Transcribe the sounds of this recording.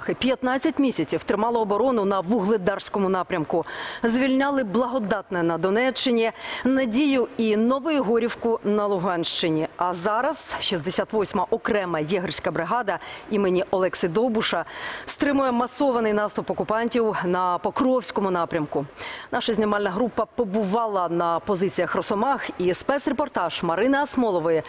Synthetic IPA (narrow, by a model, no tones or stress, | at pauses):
xɪpʲjɐt̪nɑt͡sʲːɐtʲmʲisʲɐt͡sʲiwt̪ɾɪmɑlˠɐɔːbɔɾɔnʊnɐʋʊɦlˠɪd̪ɑrsʲkɔmʊnɑpɾʲɐmkʊzʋʲilʲnʲɑlˠɪblˠɐɦɔd̪ɑt̪nɛnɐd̪ɔnɛt͡ʃːɪnʲinɐdʲijʊinɔʋɔjʊɦɔɾʲiwkʊnɐlˠʊɦɑnʃt͡ʃɪnʲiɐzɑɾɐz̥ʃizd̪esʲat̪ʋɔsʲmɐʔɔkɾɛmɐjɛɦɐrʲsʲkɐbɾɪɦɑd̪ɐimɪnʲiʔɔlˠɛksɪd̪ɔbʊʃɐst̪ɾɪmʊjɛmɐsɔʋɐnɪjnɑst̪ʊpɔkʊpɑnʲtʲiwnɐpɔkɾɔwsʲkɔmʊnɑpɾʲɐmkʊnɑʃɐzʲnʲɪmɑlʲnɐɦɾupːɐpɔbʊʋɑlˠɐnɐpɔzɪt͡sʲijɐxrɔsɔmɑxispɛsrepɔrt̪ɑʒ̥mɐɾɪnɐɐsmɔlˠɔʋɔjɛ